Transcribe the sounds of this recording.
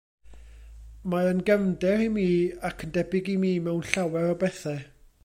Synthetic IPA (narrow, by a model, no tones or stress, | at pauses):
maənɡɛmdɛrhimiːakʰəndɛbɪɡimiːmɛwnɬawɛɾɔbɛθɛ